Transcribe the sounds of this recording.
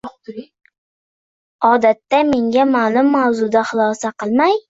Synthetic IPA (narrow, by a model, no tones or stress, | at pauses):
ɒd̪at̪ːame̞ŋɡʲamalˠʊmːawzʊd̪aχʊlˠɒsaqɨlˠmaj